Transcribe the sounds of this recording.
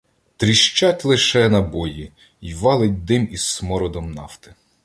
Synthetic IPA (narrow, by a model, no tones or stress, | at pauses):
t̪ɾʲiʃt͡ʃɑtʲlˠɪʃɛnɐbɔji | iʋɑlˠɪt̚ʲd̪ɪmissmɔɾɔd̪ɔmnɑwt̪ɪ̥